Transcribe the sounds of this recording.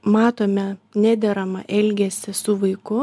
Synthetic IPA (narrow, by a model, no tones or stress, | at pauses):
mɑːt̪oːmʲɛnʲæːd̪ʲɛɾɐmɐʔɛlʲɡʲɛsʲɪsʊʋɐɪkʊ